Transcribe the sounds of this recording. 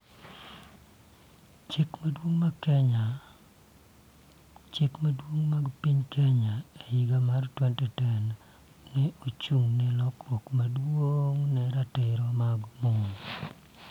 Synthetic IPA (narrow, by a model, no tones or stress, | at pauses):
t͡ʃekmadwoŋmakɛɲa | t͡ʃekmadwoŋmaɡpiɲkɛɲaejiɡamartwɛntɛtɛn | nɛot͡ʃuŋnɛlɔkɔkmadwoŋnɛɾatɪɾɔmaɡmɔn